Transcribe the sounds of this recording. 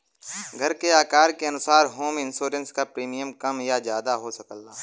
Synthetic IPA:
ɡʱɐɾkeaːkaːɾkeɐnʊsaːɾɦoːmɪ̃nsoːɾə̃nskapɾiːmijəmkɐmjazjaːd̪aɦosɐkəlaː

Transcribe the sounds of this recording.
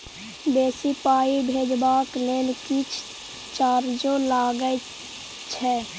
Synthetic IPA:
beːsipaːibʱeːd͡ʒbaːkleːnkit͡ʃʰ | t͡ʃaːɾd͡ʒõlaːɡəj | t͡ʃʰɛ

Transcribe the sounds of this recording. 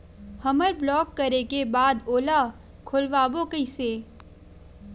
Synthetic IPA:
həməɾblɔːkːəɾekebaːd̪oːla | kʰʊlʋaːboːkəiseː

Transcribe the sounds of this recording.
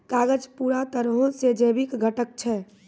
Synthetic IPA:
kaːɡəd͡ʒpuɾat̪əɾɦõsed͡ʒebikɡʱəʈək̚t͡ʃʰɛ

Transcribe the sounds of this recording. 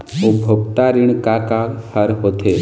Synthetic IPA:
obʱokt̪aɾiɳkakahəɾɦot̪ʰe

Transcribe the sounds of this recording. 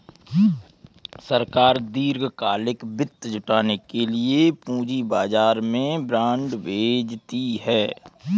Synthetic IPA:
səɾkaːɾd̪iːɾɡkaːlɪkbɪt̪ːd͡ʒʊʈaːnekeliepũːd͡ʒibaːd͡ʒaːɾmẽbɾãːɳɖʋeːd͡ʒt̪iɦɛː

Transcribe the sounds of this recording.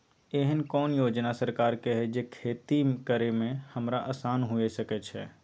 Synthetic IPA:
eɦənkɔːnjoːd͡ʒnasəɾkaːɾkeɦɛd͡ʒekʰeːt̪ikəɾemẽhɐmɾaʔəːsaːnɦʊesəkɛt͡ʃʰɛ̰ː

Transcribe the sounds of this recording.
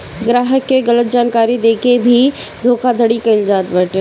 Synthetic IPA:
ɡɾaːɦəkːeɡɐlət̪̚d͡ʒaːnkaːɾid̪eːkebʱi | d̪ʱoːkad̪ʱəɽikɐɪld͡ʒaːt̪bɛʈe

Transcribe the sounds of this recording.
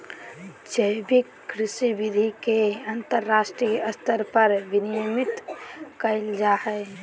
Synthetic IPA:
d͡ʒəbikːɾɪʃibid̪ʱikeɐnt̪əɾːaːsʈɾijəst̪əɾpəɾʋɪnijomɪt̪kəɪld͡ʒaːhɛɪ

